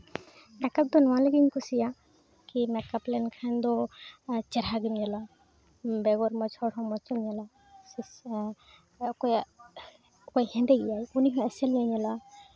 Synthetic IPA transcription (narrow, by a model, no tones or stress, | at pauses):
ɛkap̚d̪ɔnɔwãlɛɡiɲkɔsija | kimɛkaplɛnkʰand̪ɔ | t͡ʃɛɾɦaɡimjala | bɛɡɔɾmɔt͡ʃɔɽɦɔmɔt͡ʃɔmjala | sis | kɔja | ɔjhɛnd̪ɛɡijajuniɦɔ̃ɛsɛlɲaɲala